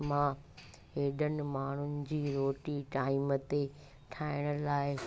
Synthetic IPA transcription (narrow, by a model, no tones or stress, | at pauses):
mã | ɦeːɗənɪ̆maːɳ̤ʊnɪ̆d͡ʑiːɾoːʈiʈaːimət̪e | ʈʰaːɪɽ̃ə̆laːɪ